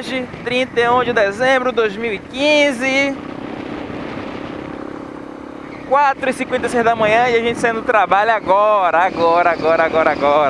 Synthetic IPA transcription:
oʒɪt̪ɾĩnt̪eũd͡ʒɪd̪ezẽmbɾʊd̪ojzmiwikĩzɪ | kwat̪ɾʊisĩkwẽnt̪ejsejzd̪ɐmɐ̃ɲɐ̃iaʒẽnt͡ʃɪsaĩnd̪ʊt̪ɾabaʎaɡɔɾɐaɡɔɾɐaɡɔɾɐaɡɔɾɐaɡɔɾɐ

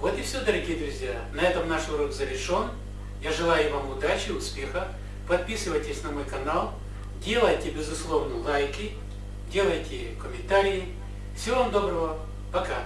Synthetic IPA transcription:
vot̪ɪfsʲod̪əɾɐɡʲijəd̪ɾʊzʲja | nɐɛt̪əmnaʂʊɾoɡzɐvʲɪrʂo̞n | jaʐɨlˠajʊvamʊd̪at͡ɕɪʊspʲe̞xə | pɐt̪̚pʲisɨvəjtʲɪsʲnɐmo̞jkɐnalˠ | dʲe̞lˠəjtʲɪbʲɪzʊslˠo̞vnəlˠajkʲɪ | dʲe̞lˠəjtʲɪ | kəmʲɪnt̪aɾʲɪjɪ | fsʲɪvovamd̪o̞bɾəvə | pɐka

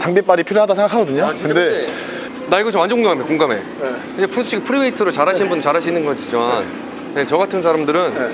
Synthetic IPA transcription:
t͡ɕaŋbep͈aɾipʰiɾjoɦadasʰeŋɡakʰaɡʌdɯɲoɯnde̞ | naiɡʌt͡ɕʌmand͡ʑekoŋɡamamidakoŋɡame̞̰ | id͡ʑepʰusʰuɕʰiɡepʰɯɾibeitʰɯɾot͡ɕaɾɦaɕʰinɯnbunt͡ɕaɾɦaɕ̬ʰinɯnɡʌɕid͡ʑiman | net͡ɕʌɡatʰɯns̬ʰaɾamdɯɾɯn

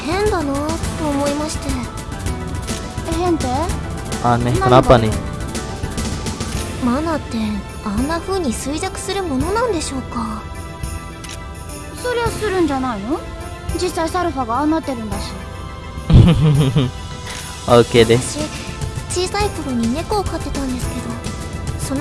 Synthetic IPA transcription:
hẽ̞nd̪anat̪ːo̞ːmo̞imaɕi̥t̪e | eɦẽnt̪e | aneanapːani | manat̪ːe̞ | anːaɸɯ̟ːɲ̟isɨizakɯ̟̥sɨɾɯ̟mo̞no̞nãnd̪e̞ɕo̞ːka | so̞ɾe̞osɨɾɯ̟̃ɲ̟d͡ʑanaino | d͡ʑisːaisaɾɯ̟ɸaɡanːat̪ːe̞ɾɯ̟nd̪aɕi̥ | aɯked̪eɕi | t͡ɕiːsaikoɾoɲ̟ine̞koːkat̪ːe̞t̪ãnd̪e̞sɨ̥ke̞d̪o̞ | son

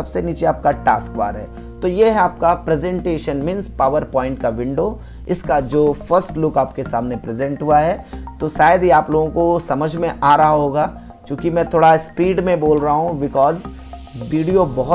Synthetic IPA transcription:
sɐbseniːt͡ʃeaːp̚kaʈaːskʋa̰ːɾɦɛ̰ː | t̪oːjeɦɛaːp̚kapɾezɛ̃ɳʈeːʃənmɪ̃ːnspaːʋəɾpɔ̃ːɪ̃ɳʈ̚kaʋɪ̃ɳɖo | ɪskad͡ʒoːfʰəɾsʈlʊkaːpkesa̰ːmnepɾezɛ̃ɳʈɦʊaɦɛːt̪oʃaːjəd̪iaːploːɡõkosɐməd͡ʒʱmẽʔaːɾɐɦaɦoːɡaː | t͡ʃjũːkimɛ̃ːt̪ʰoːɽaspiːɖmẽboːlɾɐɦaɦũbɪkɔːz | ʋiːɖijobɐɦʊ

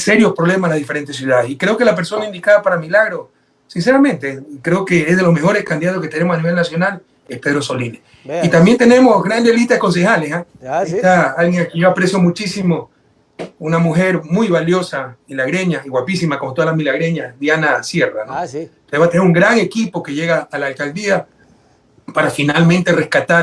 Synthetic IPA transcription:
seɾjospɾoβlemaslazðife̞ɾent̪e̞s̬juðaðesikɾeoke̞lape̞ɾso̞naind̪ikaðapaɾamilaɣɾos | sins̬e̞ɾamẽ̞nt̪ekɾeokeezð̞e̞lozme̞xo̞ɾeskand̪iðat̪oske̞t̪enemosaniβe̞lnasjo̞nal | espe̞ðɾoso̞line | it̪ambjent̪ene̞mosɣɾand̪elist̪aðeko̞ns̬e̞xalesaeht̪aalɣjeŋakejoapɾesjo̞mut͡ʃisimo̞ | unamuxe̞ɾmujβaljo̞samilaɣɾe̞ɲaiɣwapisimako̞mot̪oalahmilaɣɾeɲasðjanasje̞ra̰no | osβat̪eneuŋɡɾaŋe̞kipo̞ke̞ʝe̞ɣaːlaːlkald̪ia | paɾafinalmẽnt̪e̞re̞skat̪aɾ

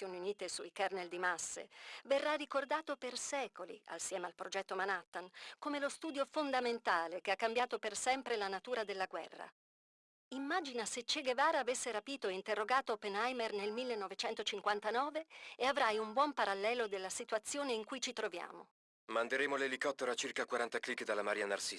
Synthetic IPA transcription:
joːniuniːt̪esuikarneld̪imasːḛverːarːikord̪aːt̪opersɛːkolḭa̰lsjɛːmealpɾod͡ʒɛt̪ːomanat̪ːankomelost̪uːd̪jofond̪ament̪aːlekeakːambjaːt̪opersɛmpɾelanat̪uːɾad̪elːaɡwɛ̰rːa̰ | imːaːd͡ʒinaset͡ʃːeɡevaːɾaaːvesːeɾapiːt̪oeint̪erːoɡaːt̪oopenajmernelmilːenːɔvet͡ʃɛnt̪ot͡ʃiŋkwant̪anɔːveeavɾajumbwɔmpaɾalːɛːlod̪elːasit̪wat̪sːjoːneiŋkujt͡ʃit̪ɾovja̰ːmo̰ | mand̪eɾeːmolelikɔt̪ːeɾoat͡ʃirkakwaɾant̪aklikːd̪alːamaɾiːana̰rsi

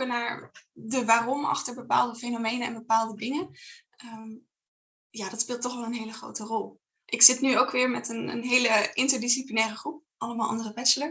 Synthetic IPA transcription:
kənaːɹdəʋaːrɔmɑ̰χtəɹbəpa̰ːlˠdəfejnomejnəɛ̰nbəpaːlˠdədɪŋə | əm | jaːdɑtspɪːlˠtːɔχʋɛlˠənɦejləχro̰wtərɔlˠ | ʔɪksɪtnyowkʋɪːɹmɛtənə̰nɦejləʔɪntəɹdisiplinɛːrəχrup̚ʔɑləmaːlˠʔɑ̰ndərəʋɛtsələ

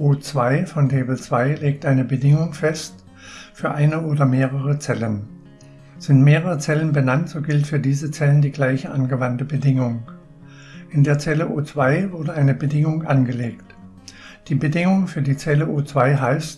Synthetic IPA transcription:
ʔoːt͡sv̥aɪfɔntʰeːbl̩t͡sv̥aɪleːk̚tʔaɪnəbədɪŋʊŋfɛst | fyːɐʔaɪnəʔoːdɐmeːʁ̞əʁət͡sɛlən | z̥ɪntmeːʁəʁət͡sɛlənbənantz̥oːɡɪltfyːɐdiːzət͡sɛləndiːɡlaɪçəʔanɡəvantəbədɪŋʊŋ | ʔɪndeːɐt͡sɛləʔoːt͡sv̥aɪvʊɐdəʔaɪnəbədɪŋʊŋʔanɡəleːkt | d̥iːbədɪŋʊŋfyːɐdiːt͡sɛləʔoːt͡sv̥aɪɦaɪst

